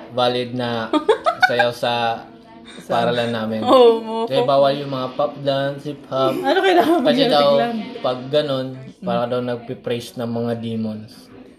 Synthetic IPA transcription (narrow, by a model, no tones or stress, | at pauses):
vaːlɪd̪̚nɐ | sɐjawsɐ | paɾɐlɐnːaːmɪnokɐsɛbaːwɐljʊŋmɐŋapap̚lansɪphap̚ɐnokɐd̪aɐd͡ʒad̪ɐwpɐɡ̚ːɐno̞npaːɾɐd̪ɐwnɐɡ̚pɪpɾejsnɐŋmɐŋad̪iːmons